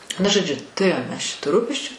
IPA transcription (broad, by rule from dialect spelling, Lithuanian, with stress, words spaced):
ˈnʊ ʒoːˈd͡ʒʲʊ tʊˈrʲeːjoːm ˈmʲɛs ˈt͡ʃʲɛ tuː ˈruːpʲɛsʲt͡ʃʲʊ